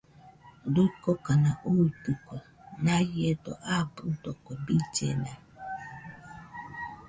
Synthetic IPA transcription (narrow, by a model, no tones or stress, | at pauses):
dukokanaʔukukʷɔ | najedoʔabudɔkʷebit͡ʃḛna